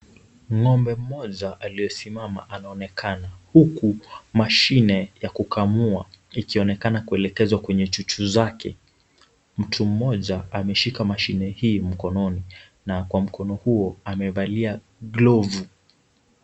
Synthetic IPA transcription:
ŋɔmbɛm̩mɔʄaʔalijɔsimama̰ʔanaɔnɛkʰanahukumaʃinɛjakukʰamuaikiɔnɛkanakuɛlɛkɛzwakwɛɲɛt͡ʃut͡ʃuzakʰɛ̰ | m̩tʰum̩mɔʄaamɛʃikamaʃinɛhiːm̩kɔnɔni | nakwam̩kʰɔnɔhuɔamɛɓalia | ɡlɔvu

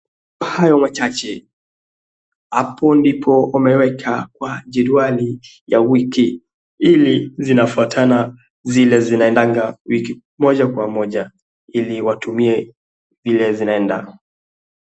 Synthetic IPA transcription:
hajɔmat͡ʃat͡ʃɛ | hapʰɔndipʰɔumɛwɛkʰakwad͡ʒɛɗuali | jawiki | ilizinafuatʰana | zilɛzinaɛndaŋɡawiki | mɔʄakwamɔʄa | iliwatumiɛ | vilɛzinaɛnda̰

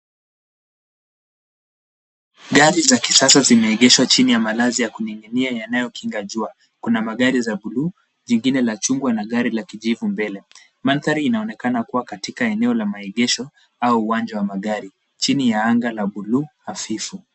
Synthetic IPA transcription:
ɠaɾizaki̥sasazimɛɛɠɛʃwat͡ʃinijamalazijakuniŋiniajanajɔkʰiŋɡaʄua | kunamaɠaɾizaɓuluː | ʄiŋɡinɛlat͡ʃuŋɡwanaɠaɾilakiʄivumbɛlɛ | manθaɾiinaɔnɛkanakuwakatikaɛnɛɔlamaɛɠɛʃɔ | auːwand͡ʒawamaɠaɾi | t͡ʃinijaaŋɡalaɓuluːhafifu

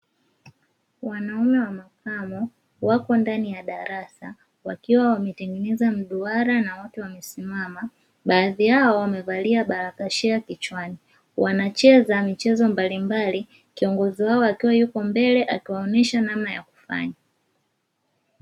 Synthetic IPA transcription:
wanaɔmɛwamakamɔ | wakɔndanijaɗaɾasa | wakiwawamɛtɛŋɡɛnɛzam̩ɗuaɾanawɔtɛwamɛsimama | ɓaːðijaɔwamɛvaliaɓaɾakaʃɛakit͡ʃwani | wanat͡ʃɛazamit͡ʃɛzɔmbalimbali | kiɔŋɡɔziwaɔakiwajukɔmbɛlɛʔakiwaɔnɛʃanamnaja̰ku̥fa̰ɲa

